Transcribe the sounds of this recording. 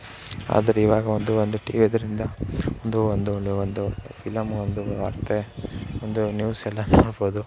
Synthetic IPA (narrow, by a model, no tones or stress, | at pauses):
a̰ːd̪ɐɾeiʋaːɡɐond̪uond̪uʈiːʋid̪ɐɾind̪ɐond̪uond̪uond̪upʰilɐmond̪uɐ̰ɾt̪ʰeond̪unjuːsɛlːɐnoːɽboːd̪u